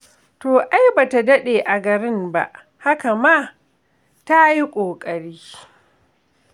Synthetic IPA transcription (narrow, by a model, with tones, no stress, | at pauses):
toː˨ʔa˦jba˨ta˨dɐ˦ɗeː˨ʔa˨ɡɐ˨ɾɪ˦mba̰˦ʔ | ha˦ka˨ma˦˨ | ta˦ji˦kʷʼoː˨kʼɐ˨ɾiː˦